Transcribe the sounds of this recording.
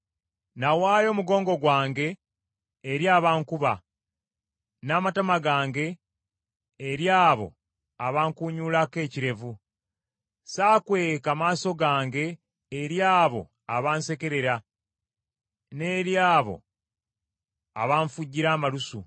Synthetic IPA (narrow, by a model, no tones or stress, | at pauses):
nawaːjo̞ːmuɡo̞ːŋɡo̞ɡwaːŋɡe̞ː | ɾjaːβaːŋkuβa | naːmatamaɡaːŋɡe̞ | ɾjaːβo̞̰ | aβaːŋkuːɲuːlake̞ːciɾe̞vu | saːkwe̞ːkamaːso̞ɡaːŋɡe̞ː | ɾjaːβo̞̰ | aβaːnse̞ke̞ɾe̞ɾa | ne̞ːɾjaːβo̞̰ | a̰βaːɱfuɟːiɾaːmalusu